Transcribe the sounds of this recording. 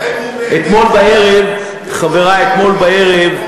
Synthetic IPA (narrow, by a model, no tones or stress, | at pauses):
et̪mo̞lbaeʁev | χaveʁaet̪mo̞lbaeʁev